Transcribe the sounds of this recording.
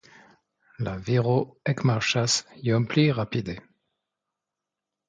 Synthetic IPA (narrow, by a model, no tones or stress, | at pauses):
laviʁoɛkmaʁʃasjɔmpliʁapid̪e